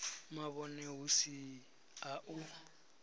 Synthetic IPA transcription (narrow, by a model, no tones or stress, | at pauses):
maβɔnɛɦusi | aʔu